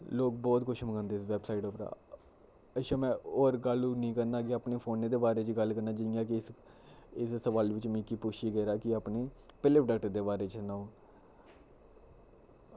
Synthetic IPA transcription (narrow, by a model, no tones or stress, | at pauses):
loːk̚bɔːt̪kʊʃʰməɡãːnd̪eːsʋɛːbsaːɪʈopɾa̰ː | əʃãːmɛ̃ːoːɾɡəlunĩːkəɾnaːɡiaːpneːpʰoːneːd̪eːbaːɾeːt͡ʃɡəlkəɾnaːd͡ʒɪjãːk̬ɪs | ɪssəʋaːlʋɪt͡ʃmĩːkiːpʊʃiːɡəːɾaːkɪaːpneːpɪleːpɖəːkʈəɾd̪eːbaːɾeːt͡ʃsnaːõː